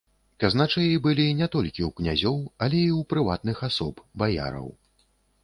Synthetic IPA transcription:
kaznat͡ʂɨjibɨlʲinʲɛt̪ɔlʲkʲiwknʲazʲɔwɐlʲɛiwpɾɨvat̪nɨxasɔpbaja̰ɾɐ̰w

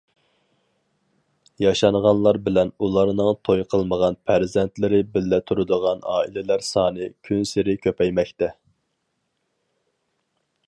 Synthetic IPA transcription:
jɑʃɑɴʁɑnlˠɑɾbɪlɛnulˠɑɾnɨŋt̪ʰojqʰəlˠməʁɑnpʰæɾzɛnt̪lɪɾɪbɪlːɛt̪ʰuɾud̪əʁɑnɑ̰ːilɪlæɾsɑːnɨkʲʰynsɪɾɪkʲʰøpɛjmɛkʲt̪ɛ

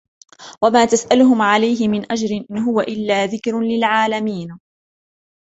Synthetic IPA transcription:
wamaːt̪asʔalʊhʊmʕalajɦɪmɪnʔad͡ʒɾɪnʔɪnɦʊwaʔɪlːaːðɪkɾlɪlʕaːlamiːn

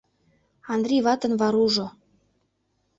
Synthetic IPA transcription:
ɑnd̪rʲiβɑt̪ɤ̆nβɑɾuʒo

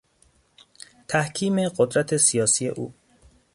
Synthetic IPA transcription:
t̪ʰæhkʰiːme̞ɢod̪ɾæt̪ʰesijɒːsije̞̰ʔṵː

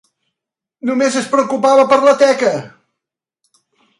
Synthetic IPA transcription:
numezəspɾəukupaβəpəɾlət̪ɛkə

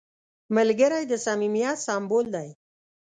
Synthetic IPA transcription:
məlɡəɾajd̪əsamimjɑsɑmbold̪aj

